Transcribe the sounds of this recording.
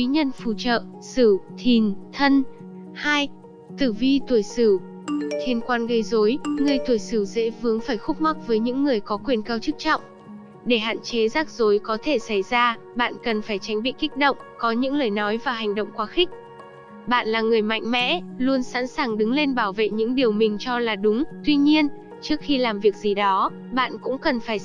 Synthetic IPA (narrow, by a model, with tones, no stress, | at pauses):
wi˨˦ɲə˧nfu˧˩t͡ɕə̰ː˧˨ | sɨ˧˩t̪ʰi˨˩nt̪ʰə˧n | haː˧j | t̪ɨ˧˩vi˧t̪u˧˩əjsɨ˧˩ | t̪ʰi˧nkwaː˧nɣə˧jzo˨˦jŋɨ˨˩əjt̪u˧˩əjsɨ˧˩zɛ̰˧˥vɨ˨˦əŋfaː˧˩jxʊ˦˥k͡p̚ma˦˥k̚vəː˨˦jɲɨ̰˧˥ŋːɨ˨˩əjkɔ˨˦kwi˨˩ənkaː˧wt͡ɕɨ˦˥k̚t͡ɕɔ̰˧˨wŋ͡m | ɗe˧˩ɦa̰ː˧˨nt͡ɕe˨˦zaː˦˥k̚zo˨˦jkɔ˨˦t̪ʰe˧˩sa˧˩jzaː˧ | ɓa̰ː˧˨nkə˨˩nfaː˧˩jt͡ɕa˨˦jŋ̟ɓḭ˧˨ki˦˥k̟̚ɗə̰˧˨wŋ͡mkɔ˨˦ɲɨ̰˧˥ŋləː˨˩jnɔ˨˦jvaː˨˩wɦɛ˨˩ŋ̟ɗo̰˧˨wŋ͡mkwaː˨˦xï˦˥k̟̚ | ɓa̰ː˧˨nlaː˨˩ŋɨ˨˩əjma̰˧˨jŋ̟mɛ̰˧˥lu˧ənsa̰ː˧˥nsaː˨˩ŋɗɨ˨˦ŋle˧nɓaː˧˩wvḛ˧˨ɲɨ̰˧˥ŋɗi˨˩əwmï˨˩ŋ̟t͡ɕɔ˧laː˨˩ɗʊ˨˦ŋ͡mt̪wi˧ɲi˧ən | t͡ɕɨ˦˥ək̚xi˧laː˨˩mvi˨˩ək̚zi˨˩ɗɔ˨˦ | ɓa̰ː˧˨nkʊ̰˧˥ŋ͡mkə˨˩nfaː˧˩j